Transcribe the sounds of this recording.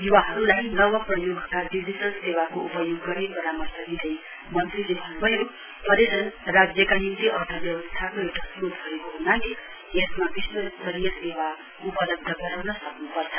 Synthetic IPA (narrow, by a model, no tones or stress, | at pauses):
ɦiwaɦʌɾulajinʌwʌprʌjoɡkaɖid͡ʑiʈʌlsewakoupʌjoɡːʌɾibʌɾamʌst̪ʌɡidʌj | mʌnt̪rilebʱʌnːbʱʌjo | p̪ʌɾedʌnrad͡zjʌkajit̪iʔʌrt̪ʰʌbjʌbʌst̪ʰakoewʈasɾut̪bʱʌekoɦund̪aɡi | esmabistosʌɾijʌsewa | upʌlʌb̚d̪ʱːʌɡʌɾawnʌsʌknupʌrt͡sʰʌ̥